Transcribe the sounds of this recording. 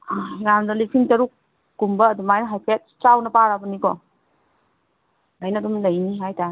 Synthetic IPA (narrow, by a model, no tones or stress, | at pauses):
ajamdɐlisʰiŋtɐɾuk̚ː | umbɐːdumajnɐɦajpʰet̚t͡ʃawnɐpaɾabɐnikɔ | lajnɐdumlɐjniɦajtaɾ